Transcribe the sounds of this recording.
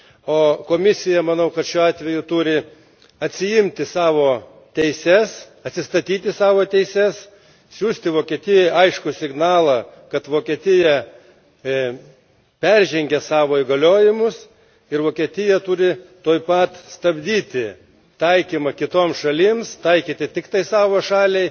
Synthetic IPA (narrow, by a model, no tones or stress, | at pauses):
oːkoːmʲɪsʲɪjɛmɐnɐʊkɐt̪ʃʲuːɑːt̪ʲʋʲɛjʊt̪ʊɾʲɪ | ɐt̪ʲsʲɪjɪmʲt̪ʲɪsɑːʋoː | t̪ʲɛɪsʲɛs | ɐt̪ʲsʲɪst̪ɐt̪ʲiːt̪ʲɪsɑːʋoːt̪ʲɛɪsʲɛs | sʲuːsʲt̪ʲɪʋoːkʲiɛt̪ʲɪjojɐɪʃkʊsʲɪɡnɑːlˠɑkɐt̪ʋoːkʲiɛt̪ʲɪjɛ | pʲɛɾʲʒʲɛŋʲɡʲɛsɑːʋoːɪɡɐlʲoːjɪmʊs | ɪɾʋoːkʲiɛt̪ʲɪjɛt̪ʊɾʲɪt̪oːjpɐt̪st̪ɐbʲd̪ʲiːt̪ʲɪ | t̪ɐɪkʲiːmɐkʲɪt̪oːmsʃɐlʲiːmst̪ɐɪkʲiːt̪ʲɪt̪ʲɪkt̪ɐɪsɑːʋoːʃɑːlʲɛɪ